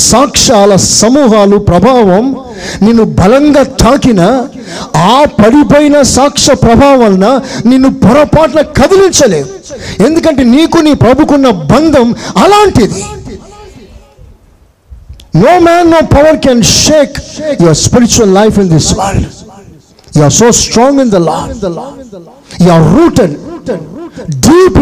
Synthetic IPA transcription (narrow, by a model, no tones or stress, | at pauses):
saːkʂaːlɐsɐmuːɦaːlupɾɐbʱaːʋɐm | nenːubʱɐlɐŋɡaːt̪ʰaːkinɐ | aːpɐɽipoːjinɐsaːkʂɐpɾɐbʱaːʋɐlnɐnenːupɐɾɐpaːʈɐlɐkɐd̪iliɲt͡ʃɐle̞ːd̪ue̞nd̪uk̬ɐɳʈe̞ːniːkuniːpɾɐbʱukunːɐbɐnd̪ʱɐmɐlaːɳʈid̪i | noːmæːnːoːpɐʋɐɾkɛnʃeːkjoɾspiɾit͡ʃuɐlːajfĩnd̪isʋɐɾɭɖ | juaɾsoːsʈɾɔːŋɡind̪ɐlɔ̰ː | juaɾːuːʈennɖiːp